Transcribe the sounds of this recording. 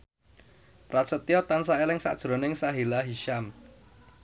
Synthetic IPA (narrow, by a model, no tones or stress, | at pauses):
pɾat̪sət̪iɔt̪ansaelɪŋsa̰ʔd̥ʒ̥ɾo̤nɪŋsaɦilaɦiʃam